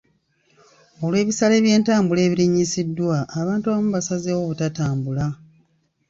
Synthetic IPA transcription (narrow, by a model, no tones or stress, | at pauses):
o̞lwe̞ːβisale̞ːβje̞ːntaːmbule̞ːβiɾiɲːisidːwaːβaːntuaβamuβasazewoβutataːmbula